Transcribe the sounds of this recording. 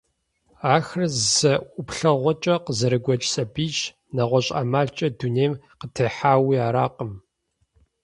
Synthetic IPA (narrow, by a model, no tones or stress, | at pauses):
aːxrzɐʔʷʊpɬɐʁʷɔt͡ʃʼɐqəzɐɾɨɡʷɔt͡ʃʼsʼɐbiːt͡ʃ | nɐʁʷɔɕʼa̰ːmaːɮt͡ʃʼɐduneːm | qətʰɐħaːwiːaːɾaːqʼəm